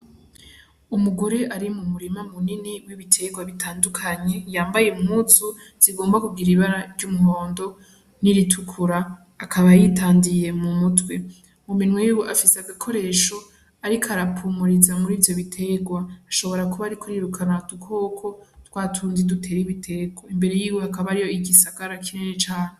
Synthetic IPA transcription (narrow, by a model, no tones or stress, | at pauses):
umuɡo̞ɾe̞ʔaɾimumuɾimamuniniwiβitʰe̞ɡwaβitʰaːndukʰaɲe̞jaːmbajeumhut͡su | z̥iɡo̞ːmbakuɡiɾiβaɾaɾɟumuho̞ːndo̞ | niɾitʰukʰuɾaː | kʰaβajitaːndije̞mumutwe̞ | muminwejiwuʔafiseaɡakʰo̞ɾe̞ːʃo̞ | aɾikʰoaɾapʰumuɾizamuɾiːvjo̞βitʰeɡwaːʃo̞βo̞ɾakuβaːɾikʰoɾiɾukʰanadukʰo̞ːkʰo̞twaːtʰuːnzidutʰe̞ːɾiβitʰe̞ɡwaimbe̞ɾe̞jiːwehakaβaɾijoiɡisaɡaɾakinenit͡ʃaːne